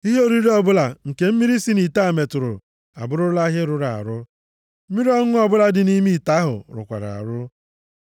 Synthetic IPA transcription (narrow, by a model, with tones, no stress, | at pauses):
i˦ɦe˦o˦ɾi˦ɾi˦ɔ˦bʊ˦la˨ŋ̩˨ke˨m̩˦mi˦ɾi˦si˦ni˨ta˦˨me˨tʊ˨ɾʊ̰˨ | a̰˨bʊ˦ɾʊ˦la˦ɦe˦ɾʊ˨ɾa̰˨ɾʊ˦ | m̩˦i˦ɾi˦ɔ˦ŋ˦ʊ˦ɔ˦bʊ˦la˦dɪ˨ni˦mi˦˨ta˦ɦʊ̰˨ɾʊ̰˨kʷa̰˨ɾa̰˨a̰˨ɾʊ˦